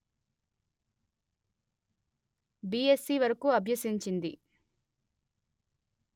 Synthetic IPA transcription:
biesːiːʋɐɾɐkuɐbʱjɐsiɲt͡ʃind̪ḭ

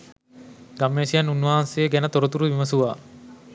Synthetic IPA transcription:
ɡamːeːsijanːunːaːanseeɡænət̪oɾot̪uɾuʋimɐsuʋaː

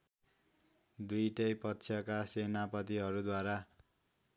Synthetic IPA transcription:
d̪ujʈʌjpʌtːsʰjʌkasenapʌt̪iɦʌɾud̪waɾa

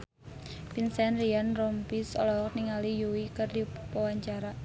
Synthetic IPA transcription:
pinsɛnrianrɔmpisɔ̰lɔɦɔk̚niŋalijuwikərdipɔwaɲt͡ʃaɾa

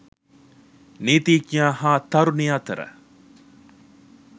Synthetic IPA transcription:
niːt̪iːkjaːɦaːt̪ɐɾunijaːt̪ɐɾə̰

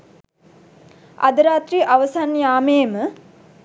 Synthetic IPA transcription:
a̰d̪əɾaːt̪ɾiʔaʋəsanjaːmeːmə

